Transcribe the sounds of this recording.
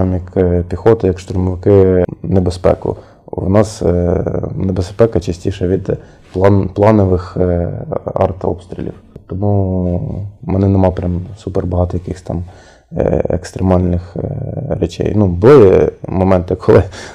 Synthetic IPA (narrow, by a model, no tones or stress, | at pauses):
mʲjɐkpʲixɔt̪ɐjɐkʃt̪ʊrmɔʋɪkɪnebespɛ̰kʊ̰ | wnɑs | nebespɛkɐt͡ʃɐsʲtʲiʃɐʋʲid̪ | p̪ˠplˠɑnɔʋɪx | ɑ̰rt̪ɔ̰pst̪ʲɾʲɪ̰lʲḭwt̪ɔmu | mɛnɪnɛmɑpɾʲamsuperbɐɦɑt̪ɔjɐkɪxsʲt̪ɑm | ḛkst̪ɾemɑlʲnɪxɾet͡ʃɛ̰jnubʊlˠɪmɔmɛnt̪ɪkʰɔlˠɪ